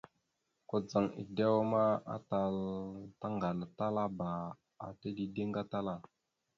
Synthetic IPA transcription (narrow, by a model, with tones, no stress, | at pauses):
ko˦d͡za˨ŋḭ˨da˦wma˦a̰˦ta˨lta˦ŋɡa˨la˨ta˦la˦ba˨ | a̰˨te˦di˨de˦ŋɡa˦ta˦la˦